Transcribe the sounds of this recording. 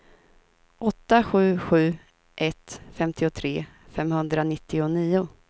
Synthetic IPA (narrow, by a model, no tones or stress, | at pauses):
ʔɔt̪ːaɧʉ̟ːɧʉ̟ː | ʔɛt̪fɛmt̪ʰɪʊt̪ʰɾeː | fɛmhɵnd̪ɾanɪt̪ʰːɪʊniːʊ